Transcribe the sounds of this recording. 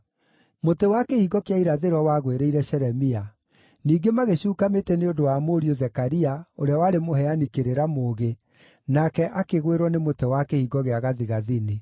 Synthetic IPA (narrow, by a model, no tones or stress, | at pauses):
motewakehiɣɔkeaiɾaðeɾwɔwaɣweɾɛiɾɛɕɛɾɛmia | niːɡemaɣeɕuːkametɛneodowamoɾiozɛkaɾiaoɾeawaːɾemoɦɛanikeɾeɾamoːɣe | nakɛʔakeɣweɾwɔnemotewakehiɡɔɣeaɣaðiɣaðini